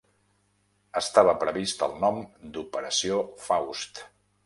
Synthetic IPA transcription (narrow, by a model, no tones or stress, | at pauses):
əst̪aβəpɾəβist̪ə̰lˠnɔmd̪upəɾəsiofawst̪